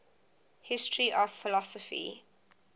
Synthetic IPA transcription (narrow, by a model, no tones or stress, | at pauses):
hɪstʰɹiʔɔv̥fɪlɔsɔfḭ